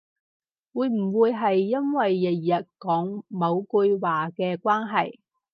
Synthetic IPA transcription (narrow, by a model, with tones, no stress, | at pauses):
wuː˨˧jm̩˨˩wuː˨˧jɦɐ˨jːɐ˥nwɐ˨jːɐ˨t̚jɐ˨t̚kɔː˨˥ŋmɐ˨˧wku˧jwaː˨kɛː˧kwaː˥nɦɐ˨j